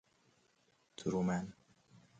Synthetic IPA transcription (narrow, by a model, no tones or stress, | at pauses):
t̪ʰuɾumæn